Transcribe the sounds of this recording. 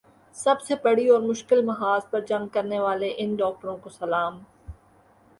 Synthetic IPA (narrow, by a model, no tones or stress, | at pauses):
sɐbsebɐɽiɔːɾmʊʃkɪlmɐɦaːzpɐɾd͡ʒɐ̃ŋɡ̚kɐɾneʋaːleʔɪnɖɔːk̚ʈəɾõkosɐlaːm